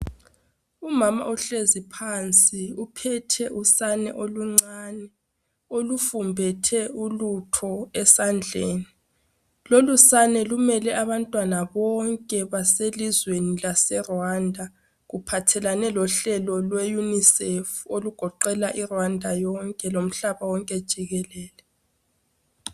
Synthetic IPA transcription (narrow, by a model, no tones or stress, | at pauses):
umama̰ʔuɬezipʰant͡sʼiupʰɛtʰɛʔusanɛ̰ʔoluŋ͡ǀanɛ | olufumbʱɛtʰɛulutʰɔɛsand͡ɮʱeːni | lolusanɛlumɛlɛʔaβantʼwanaβɔŋkʼɛβaselizwenilasɛrwandʱa | ɣupʰatʰɛlanɛlɔɬɛlɔlwejunisɛfoluɡ̥ʱɔǃɛlaʔirwandʱajɔŋkʼɛlom̩ɬaβawɔŋkʼɛd̥ʒ̥ʱiɣɛlɛːlɛ